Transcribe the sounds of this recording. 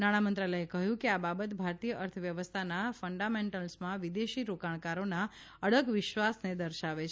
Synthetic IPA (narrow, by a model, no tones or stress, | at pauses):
naɽ̃amənt̪ɾaləjekəɦjũkeababət̪bʱaɾt̪ijəʔəɾt̪ʰəʋjəʋəst̪ʰanafəɳɖamẽɳʈəlsmãʋid̪eʃiɾokaɳ̃kaɾona | əɭəɡʋɪʃʋasned̪əɾʃaʋet͡ʃʰ